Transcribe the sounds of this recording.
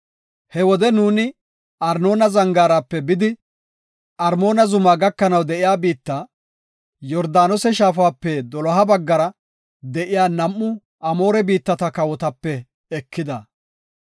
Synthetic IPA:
hɛwɔd̪ɛnuːnɪ | ɐɾno̞ːnɐzɐŋɡaːɾaːpːɛbɪd̪ɪ | ɐɾmo̞ːnɐzʊmaːɡɐkːɐnɐwd̪ɛʔɪjaːbiːt̪ːa | jɔɾd̪aːnɔsɛʃaːfaːpːɛd̪ɔlɔɦɐbɐɡːɐɾɐ | d̪ɛʔɪjaːnɐmːʊ | ʔɐmo̞ːɾɛbiːt̪ːɐt̪ɐkɐwɔt̪ɐpːɛ | ɛkʰːɪd̪ɐ

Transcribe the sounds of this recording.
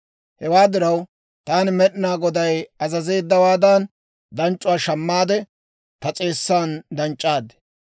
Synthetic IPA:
hɛwaːd̪ɪɾɐw | t̪aːnɪmɛɗɪnaːɡɔd̪ɐjɐzɐze̞ːd̪ːɐwaːd̪an | d̪ɐnt͡ʃʼʊwaːʃɐmːaːd̪ɛ | t̪ɐt͡sʼe̞ːsːaːnd̪ɐnt͡ʃʼːaːd̪ɛ̥

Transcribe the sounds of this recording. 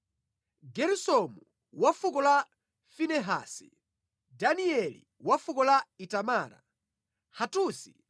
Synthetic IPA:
ɡɛɾusɔmu | wafukɔla | finɛɦa̰ːsi | daniɛlḭ | wafukɔlaitamaːɾa̰ | hatuːsi

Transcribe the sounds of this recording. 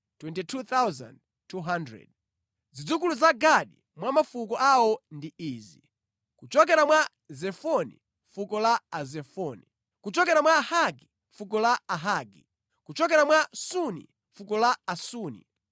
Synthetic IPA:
twɛntitʰut̪awza̰nd | tʰuɦandɾɛ̰d | zid͡zukuluzaɡaɗḭ | mwamafukɔʔawɔndiiːzi | kut͡ʃɔk̬ɛɾamwa | zɛfɔnḭ | fukɔlaazɛfɔni | kut͡ʃɔkɛɾamwaːhaɡi | ɱfuk̬ɔlaaɦaːɡi | kut͡ʃɔkɛɾamwasunḭ | fukɔlaːsuːnḭ

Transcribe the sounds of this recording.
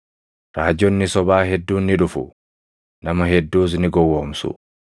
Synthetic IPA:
ɾaːd͡ʒɔnːɪsɔbaːɦɛd̪ːuːnːɪᶑʊfʊ̰ | nɐmɐɦɛd̪ːuːs̬nɪɡɔwːoːmsʊ̰

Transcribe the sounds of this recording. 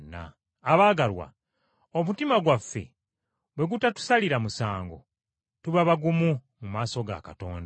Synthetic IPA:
nːa̰ː | βaːɡalwa̰ | omutimaɡwafːe̞̰ | βwe̞ɡutatu̥saliɾamusaːŋɡo̞̰ | tuβaβaɡumumumaːso̞ɡa̰kato̞̰ːnda

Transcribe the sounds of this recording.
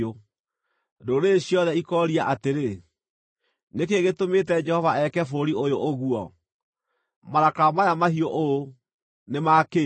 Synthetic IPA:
o | ndoɾeɕjɔðɛikɔɾiaʔateɾe | nekeɣetometɛd͡ʒɛhɔvaɛkɛfoɾiojoʔoɣuɔ | maɾakamajamahiɔʔoo | nemaːke

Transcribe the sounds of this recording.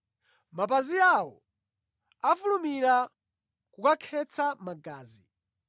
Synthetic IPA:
mapaziawɔ̰ | afulumiɾa | kukakʰɛt͡sʰamaɡaːzi

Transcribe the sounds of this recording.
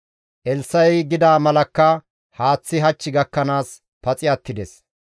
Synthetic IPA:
ʔɛlsːɐjɡɪd̪aːmɐlɐkːɐ | haːt͡sːɪɦɐt͡ʃːɪɡɐkːɐnaːs | pɐt͡sʼɪɐt̪ːɪd̪ɛs

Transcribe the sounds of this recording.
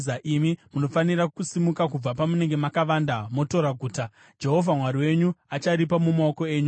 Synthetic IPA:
zaʔimimuno̞fanirakusimukakub͡vapamune̞ŋɡe̞makaʋandamo̞to̞ɾaɡʱuːta | d͡ʒe̞ɦo̞vʱamwaɾiwe̞ɲuat͡ʃaɾipamumaoko̞e̞ːɲu

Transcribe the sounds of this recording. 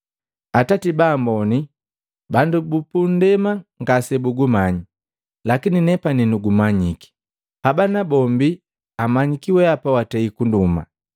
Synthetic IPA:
atatibaːmbɔni | bandubupundɛmaŋɡasɛbuɡumaɲi | lakininɛpaninuɡumaɲiki̥ | habanabɔmbi | amaɲikiwɛapawataikunduma̰

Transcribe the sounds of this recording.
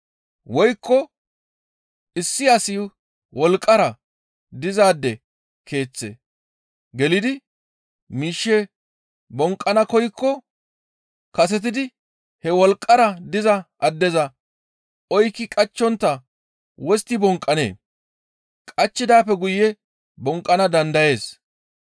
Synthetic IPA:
wɔjkːɔ | ɪsːɪasɪ | wɔlkʼːɐɾɐ | d̪ɪzaːd̪ːɛ | kʰe̞ːt͡sːḛ | ɡɛlɪd̪ɪ | miːʃːɛ | bɔŋkʼːɐnɐkɔjkːɔ | kɐsɛt̪̬ɪd̪ɪ | hɛwɔlkʼːɐɾɐd̪ɪzɐʔɐd̪ːɛzɐ | ʔɔjkːɪkʼɐt͡ʃːɔnt̪ːɐ | wɔst̪ːɪbɔŋkʼːɐnḛː | kʼɐt͡ʃːɪd̪aːpːɛɡʊjːɛ | bɔŋkʼːɐnɐd̪ɐnd̪ɐje̞ːs

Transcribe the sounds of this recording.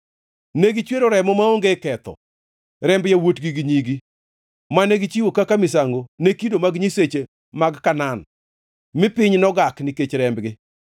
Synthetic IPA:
neɡit͡ʃweɾoɾɛmɔmaoŋɡekɛt̪ɔ̰ | ɾɛmbjawotɡiɡiɲiɡi | maneɡit͡ʃiwokakamɪsaŋɡonekidomaɡɲiset͡ʃe | maɡkanan | mɪpɪɲnɔɡaknɪket͡ʃɾɛmbɡɪ

